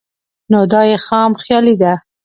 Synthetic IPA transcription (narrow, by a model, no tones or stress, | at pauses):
nod̪ɑjexɑmxjɑlid̪a